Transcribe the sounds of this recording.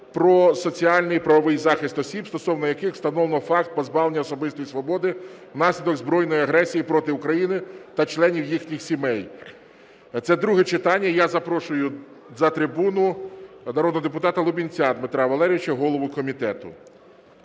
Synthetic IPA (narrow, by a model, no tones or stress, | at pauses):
pɾɔsɔt͡sʲiɑlʲnɪpɾɐʋɔʋɪjzɑxɪst̪ɔsʲibst̪ɔsɔwnɔjɐkɪxst̪ɐnɔʋˠnɔfɑk̚t̪̚pɔzbɑʋlˠenʲːɐɔsɔbɪst̪ɔjisʋɔbɔd̪ɪwnɑsʲlʲid̪ɔɡzbɾɔjnɔjiɐɦɾɛsʲijipɾɔt̪ɪʊkɾɐjinɪt̪ɐt͡ʃlˠɛnʲiwjixnʲixsʲimɛj | t̪sɛd̪ɾuɦɛt͡ʃɪt̪ɑnʲːɐjazɐpɾɔʃʊjʊ | zɐt̪ɾɪbunʊ | nɐɾɔd̪nɦɔd̪ep̬ʊt̪ɑt̪ɐlˠʊbʲinʲt͡sʲad̪mɪt̪ɾɑʋɐlˠɛɾʲɪɪt͡ʃɐɦɔlˠɔʋʊkɔmʲit̪ɛt̪ʊ̰